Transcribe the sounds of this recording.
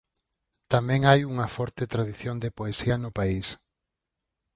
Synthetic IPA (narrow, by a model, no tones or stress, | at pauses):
t̪amɛ̃ŋajuŋɐfɔɾt̪et̪ɾaðiθjond̪epoesiɐnʊpais